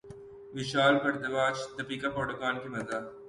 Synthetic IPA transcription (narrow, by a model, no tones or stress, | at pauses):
ʋɪʃaːlbɐɽd̪ɐʋaːt͡ʃd̪ɐpiːkapɾoːʈɐkaːnkimɐzaː